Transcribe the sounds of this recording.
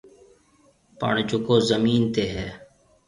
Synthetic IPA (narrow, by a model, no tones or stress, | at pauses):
pə̰ɳd͡ʒʊkoːzəmiːnt̪eːɦɛː